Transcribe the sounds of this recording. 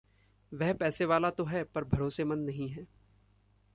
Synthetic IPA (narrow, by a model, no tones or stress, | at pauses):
ʋɛɦpɛːseʋaːlat̪oɦɛːpɐɾbʱɐɾoːsemɐ̃nːɐɦĩɦɛː